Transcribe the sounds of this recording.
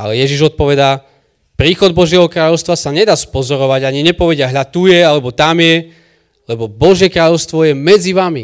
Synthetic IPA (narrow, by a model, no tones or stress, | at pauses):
a̰lɛjɛʒiʒɔt̪̚pɔʋɛd̪aː | pɾiːxɔd̪̚bɔʒjɛɦɔkɾaːʎɔʊst̪ʋasaɲɛd̪aːspɔzɔɾɔʋaɟaɲiɲɛpɔʋɛɟɪaɦʎat̪ujɛalɛbɔt̪amjɛ | lɛbɔbɔʒjɛkɾaːʎɔʊst̪ʋɔjɛmɛd͡ziʋami